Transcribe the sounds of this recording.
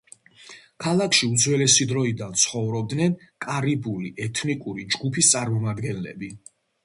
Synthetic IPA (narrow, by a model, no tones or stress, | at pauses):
kʰalˠakʰʃiud̪zwɛlɛsid̪ɾɔid̪ant̪sʰχɔvɾɔb̚d̪nɛnkʼaɾibuliʔɛt̪ʰnikʼuɾid͡ʒɡupʰist̪sʼaɾmɔmad̪ɡɛnlɛ̰bi